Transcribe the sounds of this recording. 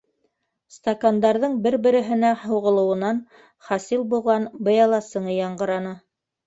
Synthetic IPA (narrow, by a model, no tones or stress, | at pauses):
st̪ɐkand̪ɑɾðɤɴbɘɾbɘ̆ɾɘ̆ɦɘ̆næhŏwʁɤ̆lˠɤ̆wɤ̆nɑn | χɑsilˠbulˠʁɑnbɤ̆jɑlˠɑsɤ̆ɴɤjɑɴɢɤ̆ɾɑnɤ